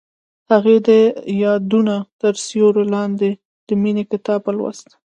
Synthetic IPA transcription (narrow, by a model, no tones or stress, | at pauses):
haɣed̪əjɑd̪unat̪əɾsjoɾolɑnd̪e | d̪̥əminekɪt̪ɑbəlwa̰st̪